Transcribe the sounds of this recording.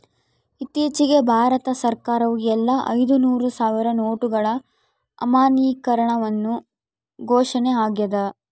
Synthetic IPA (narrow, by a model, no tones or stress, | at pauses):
it̪iːt͡ʃiɡe̞bʱaːɾɐt̪ɐsɐɾkaːɾɐʋuɛlːɐʔɐ̰jd̪unuːɾusaːʋiɾɐnoːʈuɡɐɭɐ | ɐ̰maːniːkɐɾɐɳɐʋɐnːu | ɡʱɔːʂɐneaːɡjɐd̪ɐ